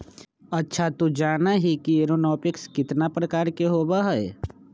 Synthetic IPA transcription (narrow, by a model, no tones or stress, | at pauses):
ɐtːʃʰat̪ud͡ʒaːnaɦikieɾonɔːpɪkskɪt̪napɾəkaːɾkeɦoːbaɦɛɛ